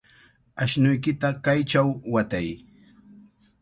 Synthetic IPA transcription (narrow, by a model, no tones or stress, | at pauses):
aʃnʊjkɪt̪akajt͡ʃawwat̪aj